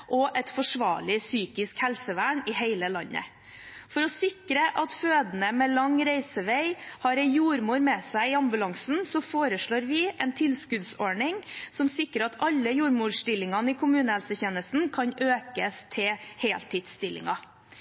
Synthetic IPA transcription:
ʔɔʔɛt̪fɔʂʋɑ̰ːɭɪsyːkɪskhɛlsəʋæːɳɪɦeɪləlɑnːə̰ | fɔɾɔsɪkɾəʔɑt̪føːd̪nəmɛlɑŋɾæɪsəʋeɪhɑɾɛjuːɾmuːɾmɛsæɪɪɑmbʉlɑŋsn̩sɔfoːɾəʂɭoːɾʋɪʔɛnt̪ʰɪlskʉd̪sɔɳɪŋsɔmsɪkːəɾɑt̪ɑlːəjuːɾmuːɖʂt̪ɪlːɪŋɑnəɪkʰʊmʉːnəhɛlsəçeːnəst̪n̩kʰɑnʔøːkəst̪ʰɪlheːlt̪ʰiːd̪st̪ɪlːɪ̰ŋɑ

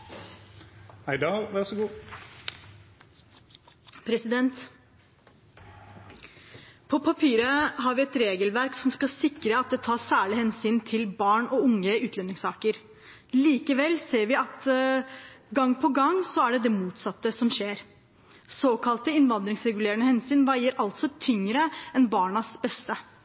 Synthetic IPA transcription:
hæɪd̪ɑʋæɾsəɡuː | pʰɾɛsɪd̪ɛnt̪ | pʰɔpʰɑpʰiːɾəɦɑɾʋɪɛt̪ɾeːɡəlʋæɾksɔmskɑsɪkɾəɑt̪̚d̪ɛt̪ʰɑːsæːɭɪhɛnsyːnt̪ʰɪlbɑːɳɔʊŋːəʉːt̪lɛnːɪŋsɑːkəɾ | liːkəʋɛlːseːɾʋɪɑt̪ | ɡɑŋːpʰɔɡɑŋsɔæɖɛd̪ɛmuːt̪sɑt̪ːəsɔmɕeːɾ | soːkʰɑlt̪əɪnʋɑnd̪ɾɪŋsɾɛɡʉleːɾənəhɛnsyːnʋæɪəɾɑlt̪sɔt̪ʰʏŋɾəɛnbɑːɳɑsbɛst̪ə

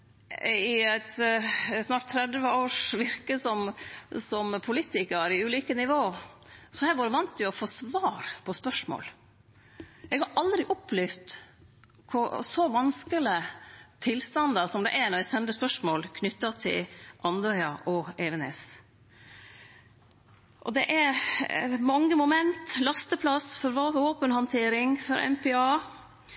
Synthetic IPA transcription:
ɪæɪt̪snɑːʈ̚t̪ʰːɾɛd̪ʋəoːʂʋɪɾkəsɔmsɔmpʰʊliːt̪ɪkəɾɪʉːliːkənɪʋoːsɔhæɾʋɑːɾəʋɑnt̪ʰːɪʊɔfoːsʋɑːɾpʰɔspœʂmo̰ːl | ʔɛɡhɑɾʔɑld̪ɾɪʔɔpʰlɛft̪ | kʰʊsɔʋɑnskələt̪ʰɪlst̪ɑnd̪ɑsɔmd̪ɛ̰ʔɛnɔɾæsɛnd̪əspœʂmoːlkʰnʏt̪ːɑt̪ʰɪ̰lʔɑnd̪œʏɑʔɔɛʋɛnḛːs | ʔɔd̪ɛʔɛ | mɑŋːəmʊmɛnt̪lɑst̪əpʰlɑsfɔɾʋɑoːpənhɑnt̪ʰeːɾɪŋfɔɾʔɛ̰mpʰɛɑː

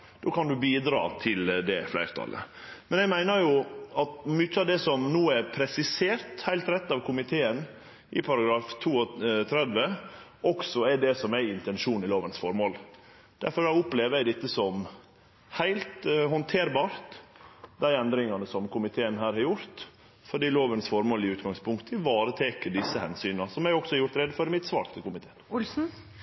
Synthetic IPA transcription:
d̪̥oːkʰɑnd̪ʉbiːd̪ɾɑ̰ːt̪ʰɪld̪ɛflæ̰ɪɾt̪ʰɑ̰lʔə̰mɛnɛɡmæɪnəɾjʊɑt̪mʏt͡ʃːəɑʋd̪ɛsɔmnuːɛɾpʰɾɛsɪseːɾt̪hæɪlt̪ɾɛt̪ːɑʋkʰʊmɪt̪ʰeːən | ʔɪpʰɑɾɑɡɾɑːft̪ʰuːɔt̪ʰɾɛd̪ʋəɔksɔɛɖɛsɔmæɪnt̪ɛnʂuːnɪloːʋənsfɔɾmoːl | d̪̥æɾfɔɾæʊpleːʋəæɪd̪ɪt̪ːəsɔm | hæɪlt̪hɔnt̪ʰeːɾbɑːɾt̪d̪æɪɛnd̪ɾɪŋɑnəsɔmkʊmɪt̪ʰeːənɦæːɾhɑɾjʊɾt̪ | fɔɖiːloːʋənsfɔɾmoːlɪʉːt̪ɡɑŋspʰʊŋkt̪ʰəʋɑːɾət̪ʰeːkəɖɪsːəhɛ̰nsyːnɑsɔmæɡɔksɔhɑɾjʊɾt̪ɾɛd̪fɔɾɪmɪt̪sʋɑ̰ːɾt̪ʰɪlkʊmɪt̪ʰeːənʊlsn̩

